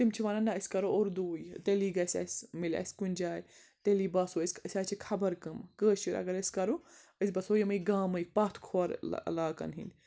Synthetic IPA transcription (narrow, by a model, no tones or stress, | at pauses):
t̪imt͡ʃʰiʋaːnɐnaəsʲkɐɾooɾd̪uːjt̪eliɡɐsʲa̰smilʲa̰sʲkunʲd͡ʒaːj | t̪eliːbɐsoːəsʲəsʲaːt͡ʃʰikʰɐbɐɾkɨmkəːʃiɾɐ̰ɡɐɾəsʲkɐɾo | əsʲbɐsojɐmɐiɡaːmɐipat̪ʰkʰoɐɾ̰laːkɐ̰nɦḭnd̪ʲ